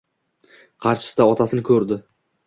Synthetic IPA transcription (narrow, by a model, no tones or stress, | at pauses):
qʰɑɾʃɪ̥sɪd̪aɒt̪ʰasɪnɪkʲʰɵɾd̪ɪ